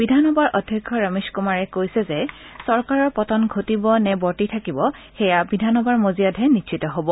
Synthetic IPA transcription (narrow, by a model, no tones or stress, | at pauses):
bidʱanɔbaɹʔɔdʱjɔkʰːɔɹameskumaɹɛkojsɛzɛ | sɔɹkaɹɔɹpɔtɔnɡʱotibɔnɛbɔɹtitʰakibɔxɛjabidʱanɔbaɹmozijadɦɛnitʃʰitɔɦobɔ